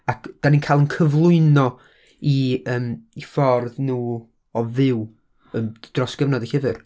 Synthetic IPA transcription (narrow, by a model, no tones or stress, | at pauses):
akʰd̥aninkʰajlˠənkʰəvlˠʊɨnɔ | iəːmifɔrðnuː | ɔvɪw | ənd̥rɔsɡ̥əvnɔdihəvɨr